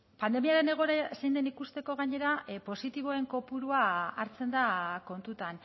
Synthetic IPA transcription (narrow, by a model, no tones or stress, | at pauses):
pand̪e̞miaɾe̞ne̞ɣ̞o̞eɾasejnd̪e̞nikust̪e̞ko̞ɣ̞aɲe̞ɾapo̞sit̪iβ̞oe̞ŋko̞puɾuaaɾt͡se̞nd̪ako̞nt̪ut̪an